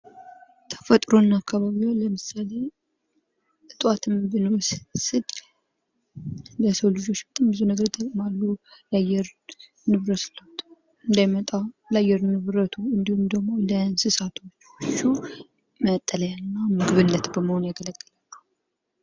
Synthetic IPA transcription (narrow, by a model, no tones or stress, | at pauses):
t̪ʰə̥fət̪ʼɾo̞nːakʰːaβaβiwoləmɨsale | ɨt̪ʼwat̪ʰɨmbɨnwɔssɨd̪ | ləsəwlɨd͡ʒo̞t͡ʃːbət̪ʼambɨzunəɡəɾt̪ʰʼəkʼmalːulajɛɾ | nɨβɾət̪sɨləhut̪ʰ | ɨnd̪ajmət̪ʼalajːɛɾnɨβɾət̪ʰuɨnd̪ihumd̪əɡmo̞lənsɨsat̪ʰo̞t͡ʃːt͡ʃːu | mət̪ʼːələjanːamɨɡɨβɨnːət̪bəməho̞njɛɡələɡʼːəlalːuh